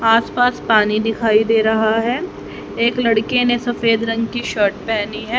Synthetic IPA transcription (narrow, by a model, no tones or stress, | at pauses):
aːspaːspaːnid̪ɪkʰaːid̪eːɾɐɦaɦɛː | eːklɐɽkenesɐfeːd̪ɾɐ̃ŋɡkiʃəːɾʈ̚pɛːniɦɛː